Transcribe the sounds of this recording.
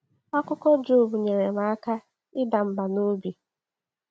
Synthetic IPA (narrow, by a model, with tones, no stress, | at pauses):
a˦kʊ˦kɔ˦d͡ʒu˦˨bu˨ɲe˨ɾe˨ma˨˦a˦ka˦ | ɪ˦da˨m̩˦ba˨no˦bi˨